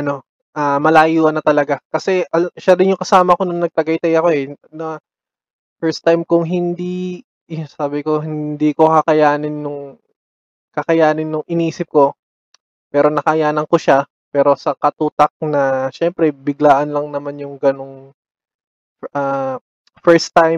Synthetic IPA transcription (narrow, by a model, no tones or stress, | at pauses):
ʔɐno̞ | ʔaːmɐlaːjuːʔɐnːɐt̪ɐlɐɡakɐsɛʔɐʃad̪ɪnjʊŋkɐsaːmɐko̞nʊŋnɐɡ̚t̪ɐɡɐjt̪ɐjɐko̞ʔɛnɐ | fɛɹst̪ajmkʊŋɦɪnd̪i | saːbɪko̞ɦɪnd̪iːko̞kɐkɐjaːnɪnːʊŋ | kɐkɐjaːnɪnːʊŋʔɪniːsɪp̚ko̞ | pɛːɾo̞nɐkɐjaːnɐŋko̞ʃa | pɛːɾo̞sɐkɐt̪uːt̪ɐk̚nɐʃɛmpɾɛbɪɡlaːʔɐnlɐŋnɐmanjʊŋɡɐno̞ŋ | ʔaː | fɛɹst̪ːajm